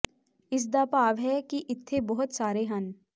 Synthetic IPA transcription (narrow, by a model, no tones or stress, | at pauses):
ɪs̬d̪aːpaːʋɦɛkiʔɪt̪ʰːebɔɦʊt̪saːɾeɦən